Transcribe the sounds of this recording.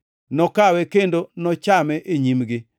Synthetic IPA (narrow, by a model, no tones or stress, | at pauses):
nɔkawɛkendonɔt͡ʃamɛʔeɲimɡɪ